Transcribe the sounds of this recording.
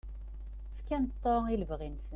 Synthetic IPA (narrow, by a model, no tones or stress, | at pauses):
fkænt̪ˤːɑiləvʁinsən